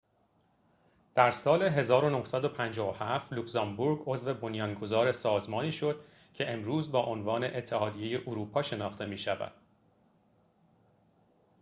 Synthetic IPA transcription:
d̪̥æɾsɒːle̞ɦe̞zɒːɾono̞hsæd̪o̞pʰænd͡ʒɒːvohæft̪luksɒmbuɾɡo̞zve̞bo̞njɒŋɡo̞zɒːɾe̞sɒːzmɒːniːʃo̞d̪̥̚ | cʰe̞ʔemɾuːzbɒːʔonvɒːne̞ʔet̪ʰːe̞hɒːd̪ije̞je̞ʔuɾuːpʰɒːʃe̞nɒːxt̪e̞miːʃævæ̰d̪̥

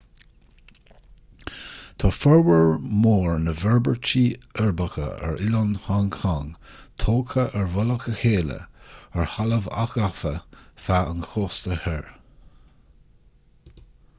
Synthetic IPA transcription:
t̪ʰɔfɔɹwəɹmoːɹnəvɛɹbəɹt͡ʃiːɛɹbəkə̰ɛ̰ɹʔɪlɔnhankʰaŋt̪ʰoːkʰəʔɛɹvɔləkəxeːlə̰ɛɹhaləva̰xafəfaə̰nxʰoːst̪əhɛɹ

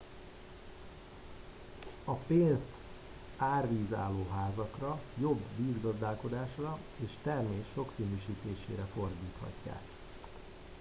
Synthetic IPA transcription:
ɒpeːnst̪ | aːrʋiːza̰ːlːoːɦaːzɒkrɒjo̞bviːzɡɒzd̪aːlko̞d̪aːʃrɒ | eːʃt̪ɛrmeːʃːo̞ksiːnyːʃiːt̪eːʃḛːɾɛfo̞rd̪iːt̪hɒ̰cːa̰ːk

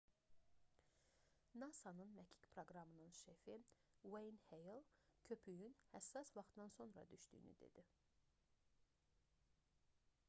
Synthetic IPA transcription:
nɑsɑnɯnmæcʰi̥cpʰɾo̞ɡɾɑmɯnɯnʃefiwejnhejlˠcʰø̞pʰyjynhæsːɑsvɑχt̪d̪ɑnso̞nɾɑ̰d̪yʃd̪y̰ːny̰d̪e̞̰d̪̥i

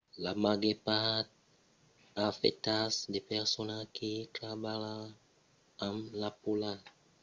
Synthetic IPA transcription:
lamaɡepat̪̚ | afḛtasdepɛʁsɔnakʰitɾabala | amlapola

